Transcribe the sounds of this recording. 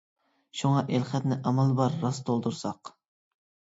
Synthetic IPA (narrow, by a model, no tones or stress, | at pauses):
ʃuŋɑʔelχɛt̪nɪʔɑmɑlˠbɑɾːɑst̪ʰolˠd̪uɾsɑq